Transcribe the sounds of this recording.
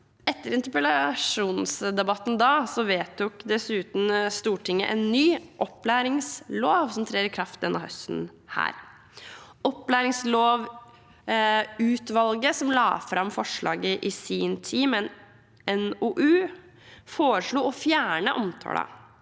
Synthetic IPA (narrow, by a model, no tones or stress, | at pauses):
ɛt̪ːəɾɪnt̪əpəlɑʂuːnsd̪ɛbɑt̪ːn̩d̪ɑːsɔʋeːt̪ʰːʊkd̪ɛsʉːt̪n̩st̪uːʈʰɪŋːə̰ʔɛnːyːʔɔpːlæːɾɪŋsloːʋsɔmt̪ʰɾeːəɾkʰɾɑft̪ɛnːɑhœ̰st̪n̩ | hæ̰ːɾ | ɔpːlæːɾɪŋsloːʋ | ʉːt̪ʋɑlɡəsɔmlɑ̰ːfɾɑmfɔʂɭɑ̰ːɡəʔɪsiːnt̪ʰiːmɛn | ɛnuʔʉː | foːɾəʂɭuːɔfjæːɳəʔɔmt̪ʰɔ̰ːlɑ̰